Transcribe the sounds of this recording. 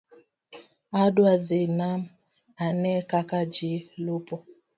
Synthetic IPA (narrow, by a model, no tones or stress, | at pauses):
adwaðenam | anɛkakad͡ʒilupɔ